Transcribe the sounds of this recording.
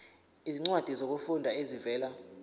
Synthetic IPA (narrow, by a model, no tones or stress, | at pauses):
iziŋ͡ǀwad̥ʱizok̬ufundʱaezivɛːla